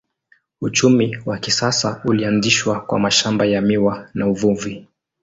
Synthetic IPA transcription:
ut͡ʃumiwakisasaulianziʃwakwa̰maʃambajamiwanauvuvi

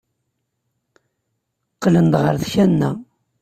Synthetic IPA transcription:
qːlənd̪ʁəɾðçænːæ

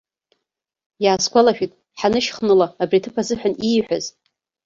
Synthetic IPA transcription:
jaːskʷʰʼalaʃᶣitʼ | ħanɨʃχnɨlaːbritʰɨpʰazɨħʷᶣaniːħʷᶣa̰z

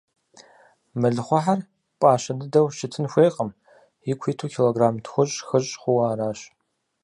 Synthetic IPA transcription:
mɨɮɨχʷɔħar | pʼaːɕɐdɨdɐwʃɪtʰɨnxʷeːqʼəm | jɪkʷʰiːtʰuːkʲʰiloɡraːmtʰxʷʊɕʼxəɕʼχʷʊwaːɾaːɕ

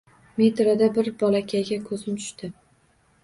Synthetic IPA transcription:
met̪ɾad̪abɪɾbɒlakʲʰajɡʲakʰɵzɪmt̪ʰʊ̥ʃt̪ɪ

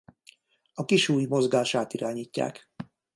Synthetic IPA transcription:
ɒkiʃuːjmo̞zɡaːʃaːt̪iɾaːɲiːcːa̰ːk

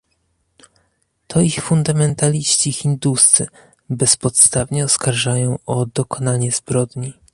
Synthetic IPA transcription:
t̪ʰɔixfund̪amɛnt̪alʲiɕt͡ɕixʲind̪ust̪sɘ̰ | bɛspɔt̪st̪avɲɛɔskaɾʐajɔ̃w̃ʔɔd̪ɔkɔnaɲɛzbɾɔd̪ɲi

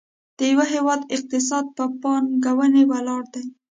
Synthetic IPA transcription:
d̪̥əjawaɦewɑd̪ɪq̚t̪ɪs̬ɑd̪̚pəpɑnɡawənewalɑɽd̪aj

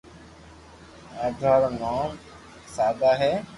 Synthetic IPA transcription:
aːd̪ʱaːɾnaːm | saːd̪aːɦɛː

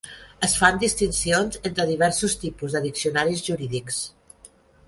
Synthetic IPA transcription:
əsfand̪ist̪insionzent̪ɾəðiβɛɾsust̪ipuzðəðiksiunaɾizʒuɾiðiks

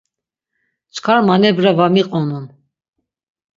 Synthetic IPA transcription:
t͡ʃʰkʰaɾmanɛbɾavamiqʼɔnun

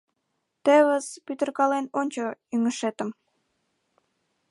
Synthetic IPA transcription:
t̪eβəzpyt̪ə̆rkɑlenonʲt͡ɕoyŋəʃet̪ə̆m

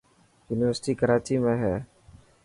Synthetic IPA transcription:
juniʋəɾsi̥ʈikəɾat͡ʃimɛ̃ɦɛ

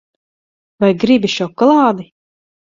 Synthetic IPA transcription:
vajɡɾibiʃɔkɔlˠɑːd̪i

